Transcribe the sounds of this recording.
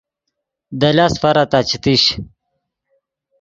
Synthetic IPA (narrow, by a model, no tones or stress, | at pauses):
d̪ɐlasfɐɾat̪at͡ɕʰit̪iɕ